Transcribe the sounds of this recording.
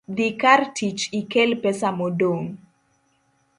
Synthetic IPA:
d̪ikartʰit͡ʃikelpɛsamodoŋ

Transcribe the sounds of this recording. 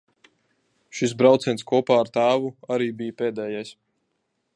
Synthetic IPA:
ʃis̬bɾawt̪sɛnskuɔpaːɾt̪aːvuaɾiːbijəpeːd̪ɛːjajs

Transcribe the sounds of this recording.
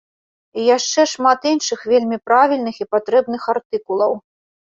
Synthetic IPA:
ijaʂt͡ʂɛʂmat̪inʂɨxvʲelʲmʲipɾavʲilʲnɨxipat̪ɾɛbnɨxart̪ɨkulˠɐw

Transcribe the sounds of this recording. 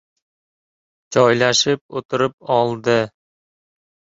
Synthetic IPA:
d͡ʒɒjlaʃɪp̚ot̪ʊ̆ɾɪp̚ɒlˠd̪ɪ

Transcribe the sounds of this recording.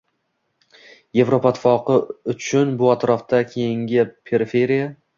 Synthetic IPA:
je̞vɾopʰat̪ʰfɒqɨʊt͡ʃʰʊnbʊat̪ɾɒft̪akʲʰe̞jɪŋɡʲɪpʰe̞ɾɪfe̞ɾija

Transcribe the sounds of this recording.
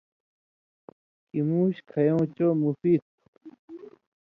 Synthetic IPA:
kimuːɕkʰɐjõːt͡ɕomufiːt̪̚

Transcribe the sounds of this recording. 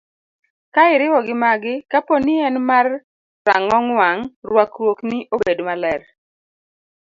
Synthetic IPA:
kaɪɾɪwɔɡɪmaɡɪkaponɪɛnmar | sa̰ŋɔŋwaŋrwakwoknɪʔobedmalɛr

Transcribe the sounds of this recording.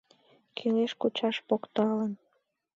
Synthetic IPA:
kʰeleʃkut͡ɕɑʃpokt̪ɑlən

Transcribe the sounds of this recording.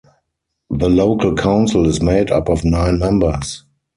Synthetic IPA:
ðəloʊkʰəlkʰãʊ̃nsəl̩ɪzmeɪda̰pɔfnãɪ̃nmɛ̃mbə˞s

